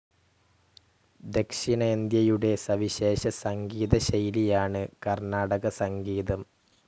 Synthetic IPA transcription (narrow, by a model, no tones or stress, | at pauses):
d̪e̞kʂinɐend̪jɐjuɽe̞sɐʋiɕe̞ːɕɐsɐŋɡiːðɐɕɐjlijaːɳɨkɐrnaːɽɐɣɐsɐŋɡiːðɐm